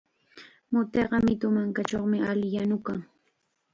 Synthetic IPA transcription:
mʊt̪eɢɑmɪt̪ʊmaŋkat͡ʃoχmɪaljanʊkaŋ

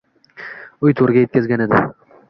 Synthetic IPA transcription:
ʊjt̪ʰoɾɪɡʲaje̞t̪̚kʲazɡʲaned̪ɪ̰

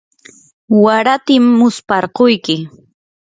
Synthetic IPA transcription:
waɾat̪ɪmːʊspɑɾqojkɪ

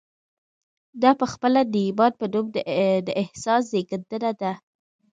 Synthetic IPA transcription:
d̪ɑpəxpəlad̪əɪbɑd̪̚pəd̪omd̪əd̪əʔɪhsɑs̬zeɡəɾd̪ənad̪a

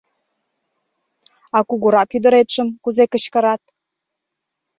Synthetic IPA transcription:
ɑkuɣuɾɑkyd̪ə̆ɾet̪ʃə̆mkuzekə̆ɕkə̆ɾɑt̪̚

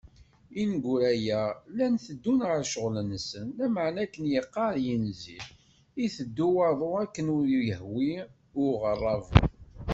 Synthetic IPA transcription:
inɡʷuɾæjælænθəd̪ːunʁəɾʃəʁlənsənlæməʕnækənjəqːɑɾjinzi | iθəd̪ːuwɑðˤoækːənʊɾjəhwi | ʊʁərˤːɑv

